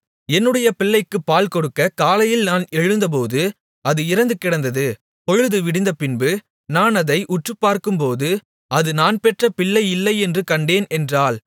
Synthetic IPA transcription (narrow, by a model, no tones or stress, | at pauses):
ɛnːɯɽɐjɐpɪlːɐɪkːɯpːaːlkɔɽɯkːɐkaːlɐjɪlnaːnɛɻɯnd̪ɐp̬oːðɯ | ɐðɯɪɾɐnd̪ɯkːɪɽɐnd̪ɐðɯ | pɔɻɯðɯʋɪɽɪnd̪ɐpɪnbɯ | naːnɐðɐɪʔʊʈrɯpːaːɾkɯmpoːðɯ | ɐðɯnaːnpɛʈrɐpɪɭːɐɪɪlːɐɪɛndrɯkɐɳɖeːnɛndraːl